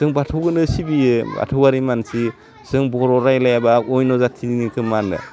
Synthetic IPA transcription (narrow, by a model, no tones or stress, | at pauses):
sɯŋbatʰɯwɡɯnɯsibia̰tʰɯwaɾimansi | sɯŋbɔɾɔɾajlajabaɔjnɔzatʰidnikʰɯmanːɯ̰